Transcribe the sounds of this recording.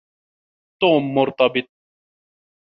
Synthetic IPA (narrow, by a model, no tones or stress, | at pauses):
t̪oːmːʊɾt̪ɑbɪt̪̚ˤ